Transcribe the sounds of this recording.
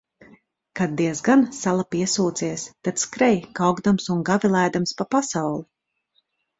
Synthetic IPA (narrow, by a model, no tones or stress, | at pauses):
kad̪̚d̪iɛzɡansalˠapiɛsuːt̪siɛst̪at̪skɾɛjkawɡd̪amsunɡavilˠajd̪amspapasawlˠi